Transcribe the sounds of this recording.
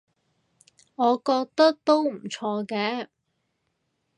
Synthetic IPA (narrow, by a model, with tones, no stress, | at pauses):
ŋɔː˨˧kɔː˧k̚t̪ɐ˥k̚t̪o˥wm̩˨˩t͡ʃʰɔː˧kɛː˧˥